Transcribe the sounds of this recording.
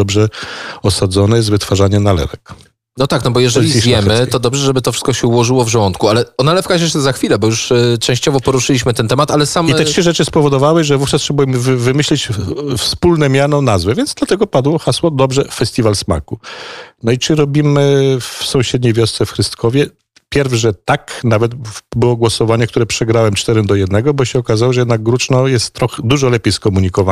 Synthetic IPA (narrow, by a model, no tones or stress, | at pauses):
ɔbʐɛɔsad̪zɔnɛzvɘt̪faʐaɲɛnalɛ̰ɾɛk | nɔt̪aknɔbɔjɛʐɛiivjɛmɘt̪ɔd̪ɔbʐɛʐɛbɘt̪ɔfʂɘ̥st̪kɔɕɛuwɔʐɘwɔvʐɛwɔnt̪kualɛɔnalɛfkaɕɛʂɛzaxfʲilɛbɔjuʂt͡ʂɛ̃w̃ɕt͡ɕɔvɔpɔɾuʂɘlʲiɕmɘt̪ɛnt̪ɛmat̪alɛsamit̪ɛtʂɘʐɛt͡ʂɘspɔvɔd̪ɔvawɘʐɛvuft͡ʂast̪ʂɛbɔimvvɘmɘɕlʲɛt͡ɕfspulnɛmʲjanɔnazvɛvʲjɛnd̪zd̪lat̪ɛɡɔpad̪wɔxaswɔd̪ɔbʐɛfɛsʲt̪ʲivalsma̰kunɔit͡ʂɘɾɔbʲimɘfsɔ̃w̃ɕɛd̪ɲejvʲjɔst̪sɛfxɾɨst̪kʰɔvʲjɛ | pʲjɛɾvʂɛt̪aknavɛt̪bɘwɔɡwɔsɔvaɲɛk̚t̪uɾɛpʂɛɡɾawɛmt͡ʂt̪ɛɾɛmd̪ɔjɛd̪nɛɡɔbɔɕɛɔkazawɔʐɛjɛd̪naɡ̚ɡɾut͡ʂnɔjɛst̪ːɾɔxɛd̪uʐɔlɛpʲjejskɔmuɲikɔva